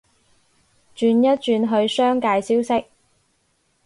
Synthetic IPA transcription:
t͡ʃyː˨˧njɐ˥t̚t͡ʃyː˨˧nɦɵ˧ɥsœː˥ŋkaː˧jsiː˥wsɪ˥k̚

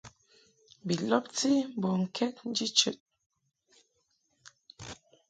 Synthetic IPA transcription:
bi˨lɔ˦p̚t͡si˦m˦bɔ˨ŋ̩˨kʰɛ˦t̚n̩˦d͡ʒi˦t͡ʃə̰˨t̚

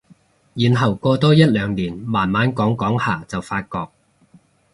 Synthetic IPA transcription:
jiː˨˩nɦɐ˨˩wkɔː˧t̪ɔː˥jɐ˥t̚lœː˨˧ŋniː˨˩nmaː˨˩nmaː˨˥nkɔː˨˥ŋkɔː˨˥ŋhaː˨˩t͡sɐ˨wfaː˧t̚kɔː˧k̚

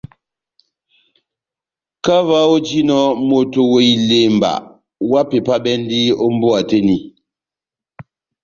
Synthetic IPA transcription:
ka˦va˦o˦d͡ʒi˦nɔ˦mo˦to˦we˦i˦le˦˨m˨ba̰˨ʔ | wa˦pe˨pa˦bɛ˦n˦di˦o˦m˦bo˦a˨te˦ni˨

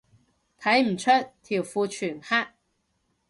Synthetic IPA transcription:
t̪ʰa˧˥jm̩˨˩t͡sʰə˥t̪ʰi˨˩wfu˧t͡ɕʰy˨˩nha˥

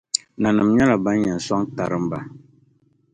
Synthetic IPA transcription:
na˨nɨ˨mɲɛ˦la˨ba˦n˦ɲɛ˨n̩˨sɔ˦ŋta˨ɾɨ˦mba˨

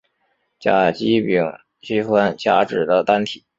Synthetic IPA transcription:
t͡ɕja̰˨˩t͡ɕi˥pi˧˩ŋ | t͡ɕi˥xwa˥nt͡ɕja˧˥ʈ͡ʂɻ̩˨˩d̪ə˦t̪a˥nt̪ʰi˨˩˦

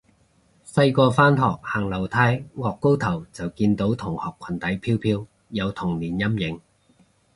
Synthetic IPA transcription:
sɐ˧jkɔː˧faː˥nɦɔː˨k̚haː˨˩ŋlɐ˨˩wt̪ʰaː˧˥jŋɔː˨kːo˥wt̪ʰɐ˨˩wt͡sɐ˨wkiː˧nt̪o˨˥wt̪ʰʊ˨˩ŋhɔː˨kʰːɐ˨˩nt̪ɐ˨˥jpʰiː˥wpʰiː˧˥w | jɐ˨˧wt̪ʰʊ˨˩ŋliː˨˩njɐ˥mjɪ˨˥ŋ

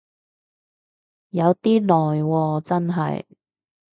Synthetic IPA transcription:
jɐ˨˧wt̪iː˥lɔː˨jwɔː˧t͡sɐ˥nɦɐ̰˨j

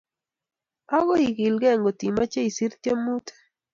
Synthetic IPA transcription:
ɔ˦ɣo˦i˨ki˨lɡɛ˦˨ŋɡo˨t̪i˨ma˦t͡ʃe˦i˨si˦ɾt̪jɔ˦mu˦t̪e̥˦

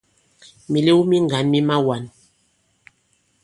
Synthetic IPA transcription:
mi˨le˦wu˦mi˦ŋɡa˨˦nmi˦ma˦wa˨n

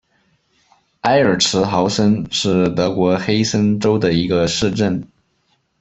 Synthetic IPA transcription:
a˥ɪə˞˨˩ʈ͡ʂʰɻ̩˧˥xɑ˧˥ʊsə˥nʂɻ̩˥˩t̪ɤ˧˥kwɔ˧˥xe˥ɪsə˥nʈ͡ʂo˥ʊd̪ə˨i˧˥ɡə˧ʂɻ̩˥˧ʈ͡ʂə˥˩n

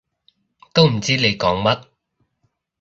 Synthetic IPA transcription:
t̪o˥wm̩˨˩t͡siː˥le˨˧jkɔː˨˥ŋmɐ˥t̚

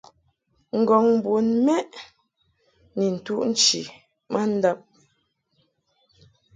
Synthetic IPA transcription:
ŋ̩˨ɡɔ˨ŋm˨bo˨nmɛ˦ʔ | nɛ˨n̩˨tu˦ʔn̩˦t͡ʃḭ˨ | ma˦˨n̩˦da˦p̚

